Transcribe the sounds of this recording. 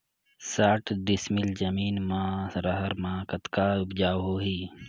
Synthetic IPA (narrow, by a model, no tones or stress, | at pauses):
saːʈʰd̪ɪsmɪld͡ʒəmiːnmãːɾəɦəɾmãːkət̪kaʊbd͡ʒaːwɦoːɦiː